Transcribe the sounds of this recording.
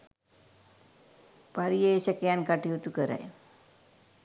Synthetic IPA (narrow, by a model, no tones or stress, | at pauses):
paɾijeesəkjankaʈiut̪ukəɾa̰j